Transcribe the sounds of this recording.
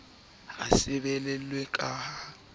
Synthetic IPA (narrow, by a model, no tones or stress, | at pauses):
a̰sɪbɛlɛlwɛkʼaːha